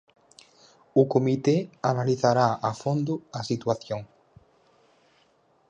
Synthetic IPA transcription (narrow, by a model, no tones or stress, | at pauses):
ʊkomit̪eanaliθaɾaafond̪ʊasit̪waθjoŋ